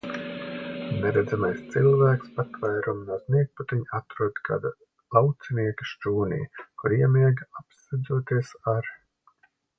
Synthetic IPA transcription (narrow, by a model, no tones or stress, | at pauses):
neɾɛd̪zamajst̪silˠvæːkspat̪vajɾumnuɔzniɛk̚put̪iɲat̪ɾuɔd̪kʰa̰ːd̪a | lˠawt̪sɛniɛkəʃt͡ʃuːnḭjkuɾiɛmiɛɡapsɛd̪zuɔt̪iɛsaɾ